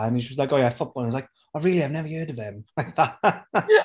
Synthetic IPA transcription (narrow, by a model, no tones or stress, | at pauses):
ə̃niʃəslaɪkojafʊb̥ɔlˠə̃nəzlaɪk̚ | aɪɹiːlˠiaɪvnɛvəhɜːdəvɪ̃mlaɪk̚ða